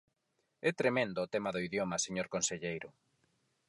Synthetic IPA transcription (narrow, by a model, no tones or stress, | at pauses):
ɛt̪ɾemẽnd̪ʊːt̪ɛmɐðoiðjomɐseɲoɾkonseʎejɾʊ